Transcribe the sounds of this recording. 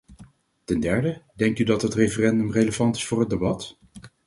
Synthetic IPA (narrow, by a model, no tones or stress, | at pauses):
tɛndɛɹdədɛŋktydɑtɦətrejfərɛndɵmrejləvɑntɪ̥sfʊːɹɦədebɑt